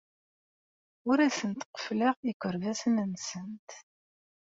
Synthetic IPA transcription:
ʊɾæsənt̪qə̥fləʁikʷːəɾvæsənənsənt̪

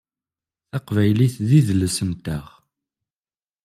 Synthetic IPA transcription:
θɑqvæjliθðiðəlːəsənt̪əʁ

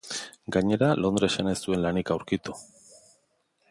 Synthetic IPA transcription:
ɡaɲe̞ɾalo̞nd̪ɾesane̞st̪ue̞nlanikawɾkit̪u̥

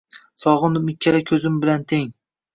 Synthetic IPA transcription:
sɒʁɨnɪmɪkʲʰːaɾakʲʰɵzɪmbɪlant̪ʰeŋ

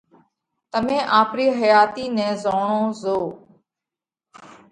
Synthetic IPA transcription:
t̪əmẽːʔaːpɾiːɦəjaːt̪iːnɛ̃ːzoːɳõːzoː

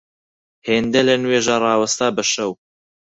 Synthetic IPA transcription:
heːnd̪elɐnweːʒaːrˤɑːwɐst̪aːbɐʃɐw

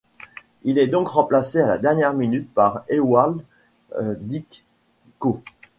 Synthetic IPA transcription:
ilɛd̪ɔ̃kʁɑ̃plaseala̰d̪ɛʁnjɛʁminyt̪̚paʁewald̪ | d̪ik | ko

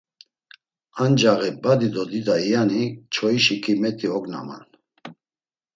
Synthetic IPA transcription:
and͡ʒaɣibad̪id̪ɔd̪id̪aijanit͡ʃʰɔiʃikʰimɛt̪ʼʰiɔɡna̰ma̰n

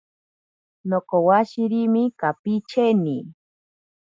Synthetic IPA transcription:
nokowaʃiɾimikapit͡ʃʰeni

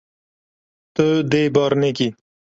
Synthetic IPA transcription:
t̪əd̪ebɑɾneki

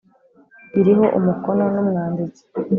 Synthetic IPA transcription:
iɾiɦo̞ʔṵmuko̞no̞numŋaːndizi̥

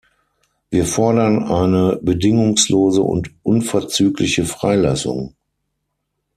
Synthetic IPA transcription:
viːɐfɔɐdɐnʔaɪnəbədɪŋʊŋsloːzə̰ʔʊ̰ntʔʊnfɛɐt͡syːklɪçəfʁ̥aɪla̰sʊ̰ŋ

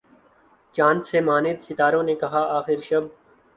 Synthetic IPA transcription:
t͡ʃãːnt̪semaːned̪sɪt̪aːɾõːnekɐɦaːaːxɪɾʃɐb̚

